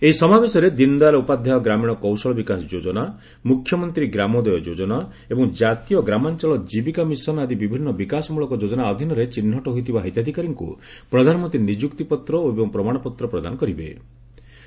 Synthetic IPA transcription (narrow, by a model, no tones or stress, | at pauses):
eisɔmabesɔɾed̪ind̪aɾɔupad̪ʱjaɔɡɾamiɽ̃ɔkɔwsɔɭɔbikasɔd͡ʒod͡ʒɔna | mukʰjɔmɔnt̪ɾiɡɾamɔd̪ɔjɔd͡ʒod͡ʒɔna | ebɔŋd͡ʒat̪ijɔɡɾamant͡ʃɔɭɔd͡ʒibikamisɔnad̪ibibʱinːɔbikasɔmuɭɔkɔd͡ʒod͡ʒɔnaɔd̪ʱinɔɾet͡ʃin̤ːɔʈɔɦojt̪ʰibaɦit̪jad̪ʱikaɾɔŋkṵpɾɔd̪ʱanɔmɔnt̪ɾinid͡ʒukt̪ipɔt̪ɾɔoebɔŋpɾɔmaɽ̃ɔpɔt̪ɾɔpɾɔd̪a̰nɔkɔɾibḛ